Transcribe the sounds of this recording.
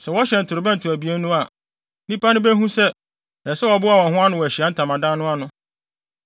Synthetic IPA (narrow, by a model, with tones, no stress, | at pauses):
sɛ˨wɔ˦ɕɛ˨n̩˨tʰʊ˨ɾɪ˨bɛ̃˦n̩˨tʰʊ˨æ˨bi˦e˦nũ˦a˨ | nĩ˦pʰa˦nʊ̃˦bæ˦ɦũ˦sɛ˦ | ɛ˨sɛ˦wɔ˨bʊ˦a˨wɔ̃˨ɦʊ̃˦a˦nʊ̃˨wɔ˨æ˨ɕi˨a˨˦n̩˦tʰã˨mã˨dã˦nʊ̃˦a˦nʊ̃˦